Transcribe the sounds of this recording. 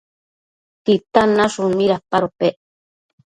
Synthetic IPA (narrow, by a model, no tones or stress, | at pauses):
t̪it̪anaʃumiɾapaɾopeʔ